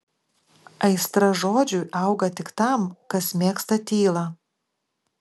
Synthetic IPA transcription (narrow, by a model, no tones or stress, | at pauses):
ɐɪst̪ɾɐʒoːd͡ʒʲuˑʔɐʊɡɐt̪ʲɪkt̪ɐˑmkɐsmʲeːkst̪ɐt̪ʲiːlˠɐ